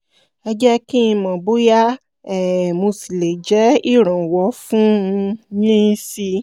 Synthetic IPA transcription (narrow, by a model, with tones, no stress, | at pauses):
ɛ˧d͡ʒɛ˦ki˦ĩ˧mɔ̃˨bo˦ja˦ | ɛ˨mo˧si˨le˨d͡ʒɛ˨˦i˦˨ɾ̃ɔ̃˨wɔ˨˦fũ˦˧jĩ˦si˧